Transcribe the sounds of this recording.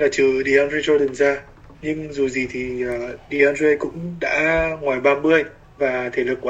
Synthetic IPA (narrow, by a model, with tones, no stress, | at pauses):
laː˨˩t͡ɕɨ˧˩ɗi˧˩ʔɔ˧nzi˧t͡ɕo˧ɗi˨˩mzaː˧ | ɲɨ˧ŋzu˨˩zi˨˩t̪ʰi˨˩əː˨˩ɗi˧˩ʔa˧nze˧jkʊ̰˧˥ŋ͡mɗa̰ː˧˥ŋwaː˨˩jɓaː˧mɓɨ˧əj | vaː˨˩t̪ʰe˧˩lɨ˨˩kːwa˧